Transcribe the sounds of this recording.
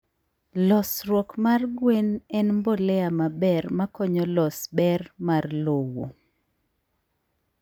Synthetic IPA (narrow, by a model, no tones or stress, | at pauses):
lɔsrwɔkmarɡwenɛnmbɔlɛamabɛrmakɔɲɔlɔsbɛrmarlowo̰